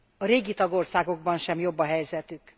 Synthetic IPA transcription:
ɒɾeːɡit̪ɒɡo̞rsaːɡo̞ɡ̚bɒnʃɛmjo̞bːɒɦɛjzɛt̪yk

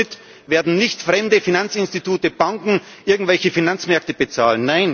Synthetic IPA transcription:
ɪt | veːɐdn̩nɪçtfʁɛmdəfinant͡sɪnstituːtəb̥aŋkŋ̩ | ʔɪɐɡŋ̩tvɛlçəfinant͡smɛɐk̚təbət͡saːlənnːaɪn

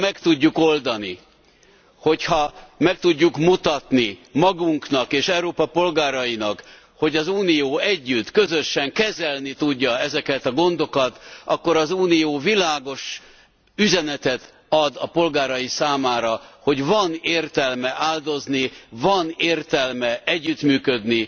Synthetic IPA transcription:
mɛkt̪uɟːuko̞ld̪ɒni | ho̞chɒmɛk̚t̪uɟːukmut̪ɒt̪nimɒɡuŋknɒkeːʃɛuɾoːpɒpo̞lɡaːɾɒjinɒk | ho̞ɟɒzuːnijoːɛɟːyt̪ːkø̞zø̞ʃɛŋkɛzɛlnit̪uɟːɒɛzɛkɛt̪ɒɡo̞nd̪o̞kɒt̪ɒkːo̞ɾɒzuːnijoːvilaːɡo̞ʃ | yzɛnɛt̪ɛt̪ | ɒd̪ɒpo̞lɡaːɾɒjisaːmaːɾɒho̞ɟvɒneːrt̪ɛlmɛʔaːld̪o̞znivɒneːrt̪ɛlmɛʔɛɟːyt̪myːkød̪ni

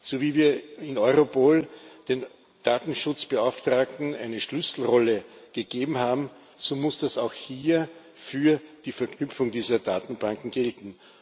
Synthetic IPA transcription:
zoviːviːɐɪnɔʏʁopʰoːld̥eːn | d̥aːtn̩ʃʊt͡sb̥əaʊftʁ̥aːk̚tn̩æɪnəʃlʏsl̩ʁɔləɡ̥əɡ̥eːbm̩haːbm̩ | zomʊsd̥asaʊxhiːɐ | fyːɐd̥iːfɛɐkʰnʏpfʊŋdiːzɐd̥aːtn̩b̥ãŋkŋ̩ɡ̥ɛltn̩

